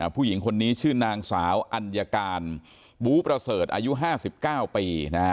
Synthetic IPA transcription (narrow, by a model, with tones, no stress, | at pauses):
pʰuː˥˩ji˩˦ŋkʰo˧nːiː˦˥t͡ɕʰɯː˥˩naː˧ŋsaː˩˦wʔa˧nja˧kaː˧n | buː˦˥pɾa˧sɤː˨˩t̪̚ʔa̰ː˧ju˦˥ʔɦaː˥˩si˨˩p̚kaː˥˩wpiː˧na˦˥